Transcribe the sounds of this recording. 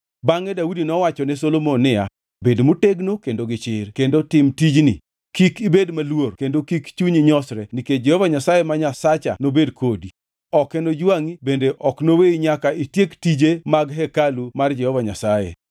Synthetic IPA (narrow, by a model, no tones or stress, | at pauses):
baŋɛdaudinɔwat͡ʃɔnɛsolomonːɪa | bedmoteɡnokendoɡɪt͡ʃɪrkendotɪmtid͡ʒnḭ | kikibedmalworkendokikt͡ʃuɲiɲɔsɾɛniked͡ʒehovaɲasajemaɲasat͡ʃa̰nobedkʰodi | ɔkɛnod͡ʒwaŋibendeʔɔknoweiɲakaitjektid͡ʒemaɡɦɛkalumard͡ʒɛhovaɲasajḛ